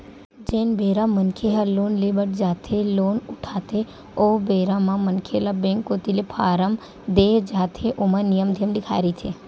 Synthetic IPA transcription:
d͡ʒenbʱeɾamənkʰeɦalonlebəʈ̚d͡ʒat̪ʰeloːnuʈʰat̪e | obeɾamãmənkʰelabẽŋkːot̪ilepʰaːɾəm | d̪ed͡ʒat̪ʰeʔomanijəmd̪ʱijəmd̪ikʰa̰ɾit̪ʰe

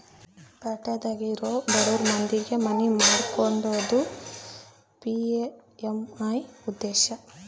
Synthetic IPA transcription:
pɐʈɐd̪aːɡiɾoːb̪ɐɽuːɾmɐnd̪iɡe̞mɐnimaːɽkoɳɖoːd̪u | pieemɐjud̪ːeːʃɐ

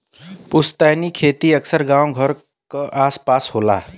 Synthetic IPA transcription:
pʊst̪aːnikʰeːt̪iəksəɾɡãːwɡʱəɾ | kaʔaːspaːshoːla̰ː

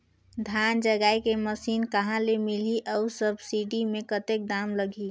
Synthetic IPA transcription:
d̪ʱjand͡ʒəɡajkeməsiːnkəɦãlemiliʔəsəbsiɖimẽkət̪ek̚d̪aːmləɡi

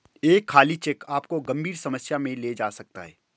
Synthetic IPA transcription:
eːkʰːaːlit͡ʃɛkaːpkoɡɐ̃mbʱiːɾsɐməsjamẽled͡ʒaːsɐk̚t̪a̰ɦɛː

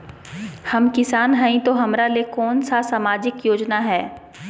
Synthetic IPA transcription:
hɐmkɪsaːnɦɐĩt̪oɦɐmɾalekɔːnsasamaːd͡ʒɪkjoːd͡ʒnaɦɛː

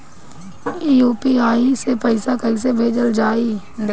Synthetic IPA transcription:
iːjuːpiaːisepəɪsakəis̬ebʱeːd͡ʒəld͡ʒaːi

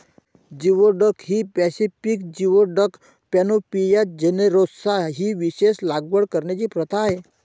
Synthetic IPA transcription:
d͡ʑiʋoɖəkɦiːpɛsifikd͡ʑiʋoɖək | pɛnopijat̪̚d͡ʑeneɾosaɦiːʋiɕeslaɡʋəɽkəɾɳat͡ɕiːpɾət̪ʰaːɦe

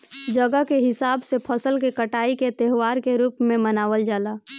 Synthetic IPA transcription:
d͡ʒəɡəɦkeɦɪsaːbsepʰəsəlkekəʈaːiket̪eɦwaːɾkeɾuːpmẽmənaːʋəld͡ʒaːlaː

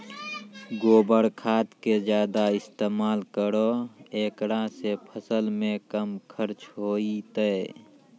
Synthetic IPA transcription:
ɡoːbəɾkʰaːt̪ked͡ʒjaːd̪aɪst̪eːmaːlkəɾoeːkɾãsepʰəsəlmẽkəmkʰəɾt͡ʃɦoːit̪əe

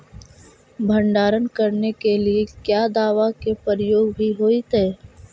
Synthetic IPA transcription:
bʱə̃ɳɖaːɾənkəɾnekeliekjaːd̪aːʋakepəɾəjoːɡbʱiɦoːit̪eː

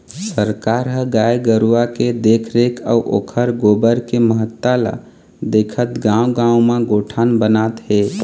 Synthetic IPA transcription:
səɾkaɾɦəɡaeɡəɾuwaked̪ekʰɾeka̰uʔo̰kʰəɾɡobəɾkeməɦət̪ːala̰ | d̪ekʰət̪ɡãwɡãũmãɡoʈʰanbənat̪ɦe

